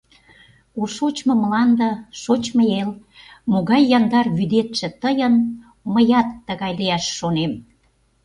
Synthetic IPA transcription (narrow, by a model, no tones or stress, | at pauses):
uʃot͡ɕmɤ̆mlɑnd̪əʃot͡ɕməel | moɣɑjːɑnd̪ɑrβyd̪et̪ʃĕt̪əjən | məjɑt̪ːəɣɑjliæʃːonem